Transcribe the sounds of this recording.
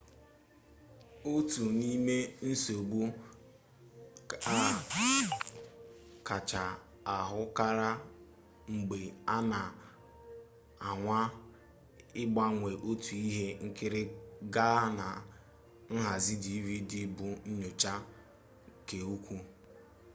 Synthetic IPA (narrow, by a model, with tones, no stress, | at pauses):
o˦tu˨ni˦me˦n̩˦so˨ɡ͡bu˦ | a˦˨ | ka˨t͡ʃa˨ | a˨ɦʊ˦ka˦ɾa˦ | ŋ͡m̩˨ɡ͡be˨a˦na˨ | a˨ŋʷa˦ | ɪ˦ɡ͡ba˦ŋʷe˨ʔo˦tu˨i˦ɦe˦ŋ̩˦kɪ˦ɾɪ˦ɡa˦na˨ | n̩˦ɦa˨zi˦di˨˦vi˦dɪ˦bʊ˨n̩˦ɲʊ˨t͡ʃa˦ | ke˨o˦kʷu˦